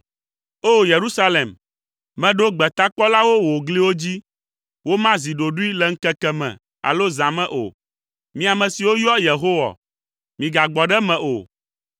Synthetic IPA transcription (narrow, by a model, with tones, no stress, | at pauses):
o˦je˨ɾu˦sa˦le˨m | mɛ̃˨ɖo˦ɡ͡bɛ˨t̪a˦k͡pɔ˦la˦wo˦wo˨ɡli˦wo˦d͡ʑi˦ | wo˦mã˦zi˨ɖo˨ɖu˦i˦lɛ˨ŋ̩˦kɛ˦kɛ˦mɛ̰̃˨ | a̰˨lo˦zã˨mɛ̃˦˨ʔo̰˨ | mĩ˦a˨mɛ̃˨si˨wo˦jɔ˦je˨ɦo˦wa̰˨ | mĩ˨ɡa˨ɡ͡bɔ˨ɖɛ˦mɛ̃˨ʔo̰˨